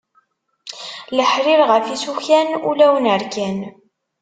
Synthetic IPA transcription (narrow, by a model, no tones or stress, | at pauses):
ləħɾɪɾʁəfisuçænṵlæwənəɾkæn